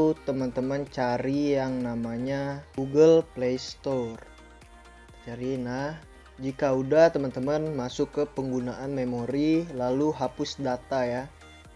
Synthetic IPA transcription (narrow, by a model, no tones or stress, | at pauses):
ut̪əmənt̪əmənt͡ʃaɾijaŋnamaɲaɡuɡəlplejst̪or | t͡ʃaɾinah | d͡ʒikaudaht̪əmənt̪əmənmasʊkːəpəŋɡunaʔanmemoɾilaluɦapʊsdat̪aja